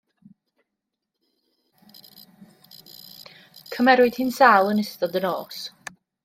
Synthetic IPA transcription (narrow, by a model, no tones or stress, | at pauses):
kʰəmɛɾwɪd̥hɪnsaːlˠənɪstɔdənɔːs